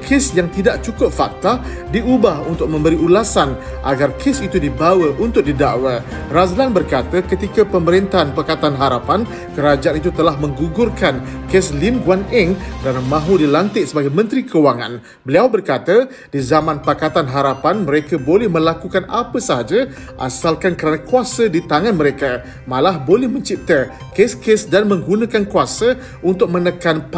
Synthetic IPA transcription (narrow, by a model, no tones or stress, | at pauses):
kʰɪsjaŋt̪idaʔ̚t͡ʃukʊp̚fak̚t̪a | diubahunt̪ʊk̚mə̃mbəɾiʔulasan | ʔa̰ɡarkʰesit̪udibawəʔunt̪ʊk̚didaʔwa | razlanbərkat̪akət̪ikapəməɾɛnt̪aɦanpakat̪anɦaɾapan | kəɾad͡ʒaanit̪̬ut̪əlahmə̃ŋɡuɡʊrkankeslimɡwanɛŋkəɾanamãɦudilant̪ɪtʔ̪̚səbaɡajmə̃nt̪ɾikəwaŋã̰n | bəliawbərkat̪a | dizamãnpakat̪anɦaɾapanməɾekabolɛhmə̃lakukanapəsaɦad͡ʒa | ʔa̰salkankəɾanãkuasadit̪aŋanməɾeka | mãlahbolɛhmə̃ɲt͡ʃip̚t̪a | keskesdanmə̃ŋɡunãkankuasa | ʔunt̪ʊk̚mə̃nəkanp